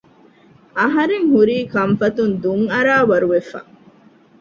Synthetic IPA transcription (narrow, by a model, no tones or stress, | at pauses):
ʔɐɦɐɾeŋɦuɾiːkɐmfɐt̪und̪uŋɐɾaːʋɐɾuʋefɐ̰